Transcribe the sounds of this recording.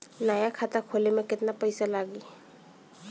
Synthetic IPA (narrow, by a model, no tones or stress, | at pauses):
naːjakʰaːt̪akʰoːlemẽkɪt̪napəɪsalaːɡi